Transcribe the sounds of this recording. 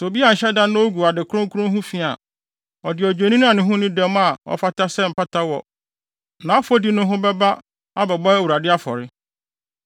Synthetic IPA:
so˨bi˦a˨n̩˨ɕɛ˦dã˦nʊ̃˦o˦ɡu˨a˨dɪ˨kʰʊ˦ɾʊ̃˦ŋ˦kʰu˦ʊ̃˦ɦʊ̃˦fi˨a̰˨ | ɔ˨dɪ˨ɔ˨d͡ʑᶣe˨nĩ˦ñ˦ã˨nɪ̃˦ɦʊ̃˦nɪ̃˦dɛ˦m˦a˨ɔ̰˨fa˦tʰa˦sɛ˦m̩˨pʰa˦tʰa˦wɔ̰˨ | nã˨˦ɔ˦fo˦di˨nʊ̃˦ɦʊ̃˦bɛ˦ba˦ | a˦bɛ˨bɔ˦ɛ˦wu˨ɾa˨dɪ˦a˦fɔ̰˨ɾɪ˦

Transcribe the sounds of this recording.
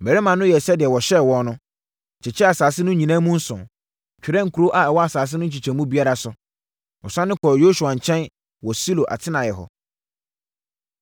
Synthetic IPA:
bɛ˨ɾɛ˦mã˨nʊ̃˦jɛ˨sɛ˦dɪ˨ɛ˨wɔ˨ɕɛ˦wɔ̃˦n˦nʊ̃˦˨ | t͡ɕʰɪ˨t͡ɕʰɛ˦a˨saː˨sɪ˦nʊ̃˦ɲĩ˨nã˦mũ˦n̩˦sʊ̰̃˨ | t͡ɕᶣɪ˨ɾɛ̃˦ŋ̩˨kʰu˨ɾo˦ʔa˨ɛ˨wɔ˦a˨saː˨s̬ɪ˦nʊ̃˦ɲ̩˦t͡ɕʰi˨t͡ɕʰɛ̃˨mũ˦bi˦a˦ɾa˨sʊ˨ | ɔ˨sã˦nɪ̃˦kʰɔ˨ɾjo˦su˨a˨ɲ̩˨t͡ɕʰɛ̃˦n | wɔ˨si˦lo˨ʔa̰˨tʰɪ˦nã˨jɛ˨ɦɔ̰˨

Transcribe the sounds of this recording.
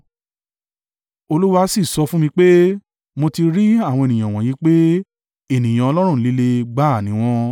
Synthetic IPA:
o˧lu˦wa˧˦si˦˨sɔ˧fũ˦mĩ˧k͡pe˦ | mo˧ti˧ɾi˦a˦˨w̃ɔ̃˧e˨nĩ˨ã˨w̃ɔ̃˨ji˨˦k͡pe˦ | e˦˨nĩ˨j̃ã˨ɔ˧lɔ˦ɾ̃ũ˦˨n̩˦li˦le˧ɡ͡ba˦˨nĩ˨˦w̃ɔ̃˧˦

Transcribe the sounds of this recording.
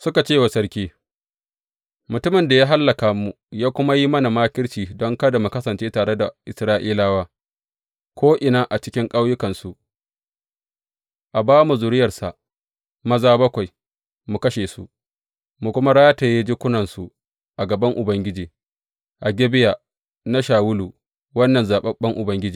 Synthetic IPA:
sʊ˦ka˨t͡ʃeː˦˨wa˨sɐ˦ɽkʲiː˦ | mʊ˨tʊ˦mɪ˨nda˨jaː˦ɦa˦lːɐ˨ka˨mu˨ | jaː˦kʷʊ˦ma˦ji˦mɐ˦na˨maː˦kʲɪ˦ɽt͡ʃiː˨dɔ˦ŋkɐ˦da˨mu˨kɐ˦sɐ˨nt͡ʃeː˦taː˨ɽe˦da˨ʔɪ˨sɾaː˦ʔiː˦laː˦waː˦ | kʷʰoː˦ʔɪ˨naː˦ʔa˨t͡ʃɪ˦kʲɪ˦ŋkʼa˦wjʊ˦kɐ˨nsu˨ʔ | ʔa˨baː˦mu˨zʊ˨ɾɪ˦jɐ˨rsa̰˨ʔ | mɐ˦zaː˦bɐ˦kʷa˨j | mu˨kɐ˦ʃeː˨sṵ˦ʔ | mu˨kʷʊ˦ma˦ɽaː˦jta˨ja˦d͡ʒi˦kʷʊ˦nɐ˨nsu˨ | ʔa˨ɡɐ˨bɐ˦ŋʔʊ˨bɐ˦ŋɡʲɪ˦d͡ʒiː˨ | ʔa˨ɡʲɛ˦bɪ˦ja˨ | na˦ʃaː˨wʊ˦luː˨ | wɐ˦nːɐ˨nzaː˨ɓɐ˦ɓɐ˦ŋʔʊ˨bɐ˦ŋɡʲɪ˦d͡ʒiː˨

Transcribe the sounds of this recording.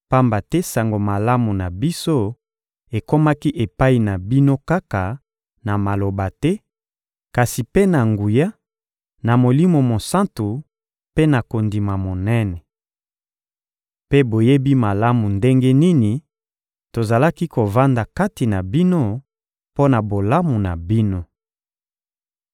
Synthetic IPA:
pa˦mba˨tɛ˦sa˨ŋɡo˨ma˨la˦mu˨na˨bi˦so˦ | e˨ko˦ma˦ki˦ʔe˨pa˦i˨na˨bi˦no˦ka˦ka˨ | na˨ma˨lo˨ba˨tɛ˦ | ka˨si˨pe˦na˨ŋɡu˨ja˦ | na˨mo˨li˦mo˨mo˨sa˦ntu˨ | pe˦na˨ko˨ndi˨ma˨mo˨nɛ˦nɛ˨ | pe˦bo˨je˦bi˦ma˨la˦mu˨nde˦ŋɡe˦ni˦ni˨ | to˨za˨la˦ki˦ko˨va˦nda˨ka˦ti˨na˨bi˦no˦ | po˦na˨bo˨la˦mu˨na˨bi˦no˦

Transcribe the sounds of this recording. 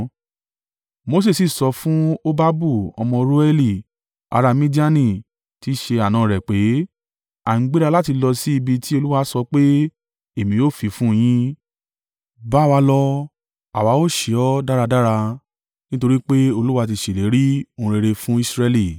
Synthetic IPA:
mo˧s̬e˦˨si˨sɔ˧fũ˦o˦ba˦bu˦˨ɔ̰˧mɔ̃˧ɾo˦ɛ˦li˦˨ | a̰˧ɾa˧mĩ˦di˦a˦nĩ˦˨ | ti˨˦ʃe˧a˨nãː˨ɾɛ˨k͡pe˨˦ | ã˨˦ɡ͡bi˦ɾa˧la˦ti˧lɔ˧si˦i˧bi˧ti˦o˧lu˦wa˧˦sɔ˧k͡pe˦ | e˦˨mĩ˨˦jo˦˨fi˨˧fũ˦˧j̃ĩ˦ | ba˨˦˨wa˧lɔ˧ | a̰˨wa˨˦o˦˨ʃe˨ɔ˦da˦ɾa˧da˦ɾa˧ | nĩ˦to˧ɾi˦k͡pe˦o˧lu˦wa˧t̬i˧ʃe˨le˨˦ɾĩ˦˧˨ɾe˧ɾe˧fũ˦i˦sɾɛ˧li˨

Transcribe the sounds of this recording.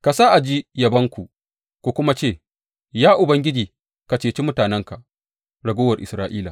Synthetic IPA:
ka˨saː˦ʔa˨d͡ʒi˦jɐ˨bɐ˦ŋkʷu˨ | kʷu˨kʷʊ˦ma˦t͡ʃeː˦˨ | jaː˦ʔʊ˨bɐ˦ŋɡʲɪ˦d͡ʒiː˨ | ka˨t͡ʃeː˨t͡ʃi˦mʊ˦taː˨nɛ˦ŋka˨ | ɽɐ˨ɡoː˦wɐ˨rʔɪ̰˨sɾaː˦ʔiː˦la̰˨

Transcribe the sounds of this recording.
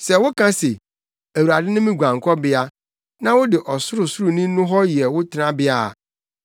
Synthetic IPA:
sɛ˨wʊ˦kʰã˦se˨ | æ˨u˨ɾa˨dɪ˦nʊ̃˦mĩ˦ɡʷã˨ŋ˨kʰɔ˦bɪ˦a˦ | nã˦wʊ˦dɪ˨ʔɔ˨sʊ˦ɾʊ˨sʊ˦ɾʊ˨nĩ˦nʊ̃˦ɦɔ˦ji˨ɛ˨wʊ˦tʰɪ˨nã˦bɪ˦a˦˨

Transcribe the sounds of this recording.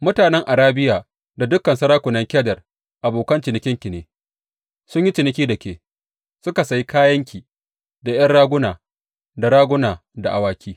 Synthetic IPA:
mʊ˦taː˨nɛ˦ŋʔa˨ɾaː˦bɪ˦jaː˨ | da˨dʊ˦kːɐ˨nsɐ˦ɾaː˦kʷʊ˨nɐ˦ŋkʲɛː˦dɐ˨r | ʔa˨boː˨kɐ˦nt͡ʃɪ˨nɪ˨˦kʲɪ˦ŋkʲɪ˨neː˨ | sʊ˦ɲji˦t͡ʃɪ˨nɪ˨kʲiː˦dɐ˨kʲeː˨ | sʊ˦ka˨sa˨ji˦kaː˦jɐ˦ŋkʲiː˨ | da˨j̰ɐ˦nɽaː˦ɡʷʊ˦naː˨ | da˨ɾaː˦ɡʷʊ˦naː˨ | da˨ʔa˨waː˦kʲʰiː˦

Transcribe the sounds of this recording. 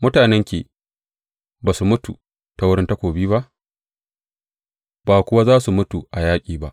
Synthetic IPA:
mʊ˦taː˨nɛ˦ŋkʲḛː˨ | baː˨su˨mʊ˦tu˨ | ta˨wʊ˦ɾɪ˦nta˦kʷoː˨biː˦βa˦ʔ | b̥aː˨kʷʊ˦wa˦zaː˦su˨mʊ˦tu˨ʔa˨jaː˦kʲʼiː˨ba˦ʔ

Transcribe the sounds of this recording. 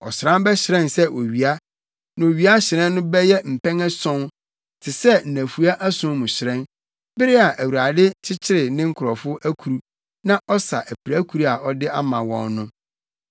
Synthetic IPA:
ɔ̰˨sɾã˦bɛ˦ɕɪ˨ɾɛ̃˦˨nsɛ˦ʔo˨ɥi˨a˦ | nʊ̃˨o˨ɥi˨˦a˦ɕɪ˨ɾɛ̃˦nː˦ʊ̃˦bɛ˦jɛ˦m̩˨pɛ̃˦ŋɛ˦sɔ̃˦n | tʰɪ˨sɛ˦n̩˨næ̃˨fu˨a˦ʔæ˦sʊ̃˦mʊ̃˨ɕɪ˨ɾɛ̃˦n | bɪ˦ɾɪ˦a˨ʔæ˨wu˨ɾa˨dɪ˦t͡ɕʰɪ˦t͡ɕʰɪ˦ɾɪ˨nɪ̃˦ŋ̩˦kʰʊ˨ɾɔ˨fʊ˦æ˦kʰu˨ɾu˦ | nã˦ʔɔ˦sa˨ʔæ˨pʰi˨ɾæ˦kʰu˨ɾu˦a˨ɔ˦dɪ˦a˦mã˨wɔ̰̃˨nnʊ̃˦

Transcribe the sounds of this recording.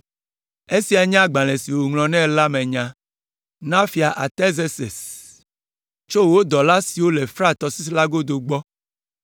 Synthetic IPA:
e˦si˨a˨ɲã˦ɡ͡bã˨le˨si˨wo˨ŋlɔ̃˨nɛ̃˦la˦mẽ˨ɲã˨ | nã˦fi˨a˨ʔa˨t̪e˦ze˦sḛ˨s | t͡ʃo˦wo˦d̪ɔ˨la˦si˨wo˦le˨fɾa˦t̪ɔ˨si˦s̬la˦ɡo˦d̪o˨ɡ͡bɔ˦

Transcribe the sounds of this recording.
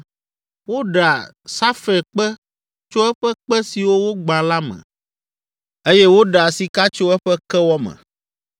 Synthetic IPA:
wo˦ɖa˨ | sa˦fe˨k͡pɛ˦ | t͡ʃo˦ɛ˦ɸɛ˦k͡pɛ˦si˨wo˦wo˦ɡ͡bã˨la˦mɛ̰̃˨ | e˦jɛ˦wo˦ɖa˨si˨ka˦t͡ʃo˦ɛ˦ɸɛ˦kɛ˦wɔ˦mɛ̰̃˨

